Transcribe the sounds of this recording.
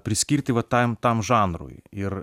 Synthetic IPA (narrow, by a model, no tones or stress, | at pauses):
pɾʲɪsʲkʲirt̪ʲɪʋɐt̪amt̪amʐanɾʊ̰j̰ir